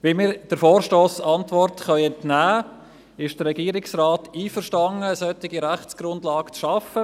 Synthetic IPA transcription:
ʋimiːɾd̥əɾfɔːɾʃtoːsɑntvɔrtχœʏɛntnæː | ɪʃd̥ərːɛɡiːəɾɪksraːtiːfəɾʃtɑŋəːsœtːɪɡiɾæχt͡sɡ̥ɾʊndlɑːɡt͡sʃɑfə

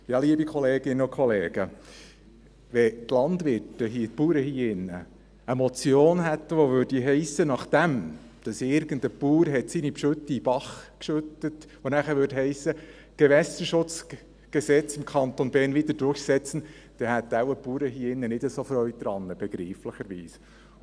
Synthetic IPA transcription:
jɑːliəbikχɔleːɡ̥ɪnəʊkʰχɔleːɡə | ʋɛt̪lɑnd̪ʋɪɾtəɦiːpuːɾəhiːɪnːə | əmɔt͡sjoːnɦæt̪ʋoʋøɾd̥iɦɛɪsənɑχd̥æm | d̥ɑsɪɾɡ̥ənd̪əpuːɾɦɛtsinipʃɵt̪ib̥ɑχkʃʉt̪ətʋonæχəɾʋʏːɾdhɛɪsə | ɡ̥ɛʋɛsəʃʊt͡s | ɡ̥ɛsɛt͡sɪmkʰɑnt̪onbɛːɾnʋit̪ədʊχsɛt͡sən̩ | d̥ɛhæt̪ːawəpuːɾəɦiːɪnːənɪdəsofɾœʏd̥̪ɾɑnːəb̥ɛɡ̥ɾiːfləχəɾʋḭːs

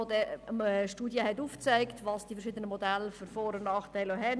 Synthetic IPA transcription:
ɛʃtuːdjəhɛtuːft͡sæɪktvɑːsd̥ifɛɾʃɪːdənəmodælfʏɾfɔːɾənnɑːχtæɪloɦɛn

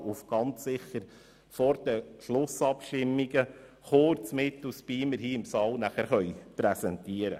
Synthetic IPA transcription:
ufɡ̥ɑnt͡ssɪχəɾ | fɔɾd̥əʃlʊsɑpʃtɪmːiɡə | χoːɾt͡smɪt̪ʊspiːmɪɾhiːɪmsɑːlnæχæɾχœʏjpɾɛsɛntiːəɾə̰

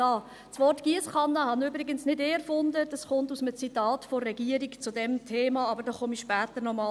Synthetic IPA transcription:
ɑː | sʋɔrtɡ̥iəsχɑnːəhɑnybɾɪɡənsnɪdeːɛɾfʊndəd̥ɑsχʊntusmət͡sitɑːtfɔrːɛɡiəɾikt͡sʊdɛmtʰeːmɑɑbəɾdɔːχɔmiʃpæːtəɾnɔmɑː

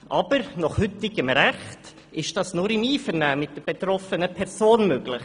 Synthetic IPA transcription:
ʔɑb̥əɾnɔχhʏtɪɡəmɾæχt | ɪʃd̥ɑsnʊɾɪmiːfəɾnæːmɪt̚d̥əb̥et̪ɾɔfənəpʰɛɾsoːnmøːɡ̥lɪχ

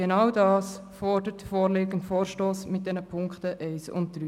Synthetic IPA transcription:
ɡenɑwdɑːs | fɔrd̥əɾtfɔːɾleːɡən̩tfoːɾʃtoːsmɪt̚d̥ɛnəpʰʊŋktəʔɛɪsʊ̰nt̚d̥ɾyː

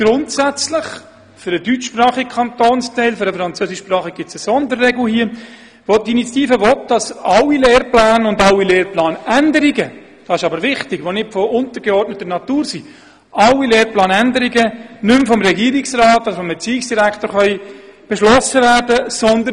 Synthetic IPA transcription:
ɡ̥ɾʊntsæt͡slɪχ | fʏɾədyt͡ʃʃprɑːχikʰɑnt̪oːnstɛɪlføɾəfɾɑnt͡søːsɪʃːprɑːχəɡɪt͡səsɔndərːɛɡl̩ʊhiːə | ʋɔtdiinit͡sjɑ̥t̪iːfəʋɔt̚d̥ɑsɑwːileːɾplæːnʊndɑwileːɾplɑːnændəɾiɡə | d̥ɑːɪʃɑbəɾvɪχtɪɡʋonɪtfɔʔʊnt̪əɾɡɛɔɾtnətːənɑtuːɾsi | ʔɑwːileːɾplɑːnændəɾiɡənʏmfɔmɾɛɡiːəɾɪksrɑːtːdəfɔmbɛt͡siːɪksd̥iɾækʰtoːɾχœʏb̥ɛʃlɔsəvæːɾdəsɔnd̪ə

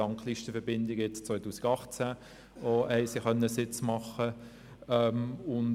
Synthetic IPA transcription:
ɑŋkliʃtəfɛɾbɪndɪɡəjɛt͡st͡sʋœɪtuːsɪ̥ɡɑχt͡sæ | ɔɛɪsɪχœnəəsɪt͡smɑχə | ɛmʊn

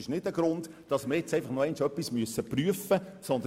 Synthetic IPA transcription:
ɪʃnɪdəɡ̥ɾʊnd | d̥ɑsməɾjɛt͡sɛɪfɑχnoɛɪnʃœpːismyəsːəpryəfəsɔnd̪ə

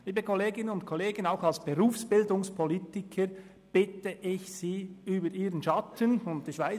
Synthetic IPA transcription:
liːbəkʰoleːɡɪnənʊntkʰɔleːɡənaʊxɑlsb̥eʁuːfsb̥ɪldʊŋspʰolitɪkʰəɾ | b̥ɪtəʔɪçsiːyːbəɾiːʁənʃɑtʰənʊnt̚d̥iʃʋaɪ

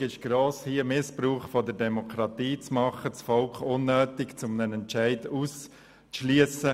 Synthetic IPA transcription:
ɪʃɡ̥ɾoːshiəmɪspɾuːχfɔdəɾdɛmɔkʰɾɑt̪iːt͡smɑχət͡sfɔlkχʊnːœːtɪkt͡sʊmnənɛntt͡ʃaɪduːs | ʃlyəsə

